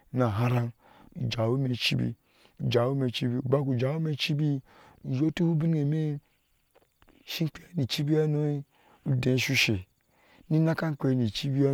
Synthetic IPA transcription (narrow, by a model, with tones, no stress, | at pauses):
na˨ɦa˦ɾa˦n | u˨d͡ʒa˨wu˦me˨t͡ʃi˦bḭ˦ | u˨d͡ʒa˨wu˦me˨t͡ʃi˦bi˦u˨ba˦ku˨d͡ʒa˨˦u˦me˦˨t͡ʃi˦bi˦ | u˨jo˦tu˦hu˦bi˦n˦e˨me˦ | ʃi˦ŋ˦k͡pe˦a˦ni˨t͡ʃi˦bi˦a˦no˦i˦ | u˦dẽ˨˦ʃu˦ʃe˨ | ni˦na˦ka˦ŋ̩˦k͡pe˨˦˨ni˨t͡ʃi˦bi˦a˦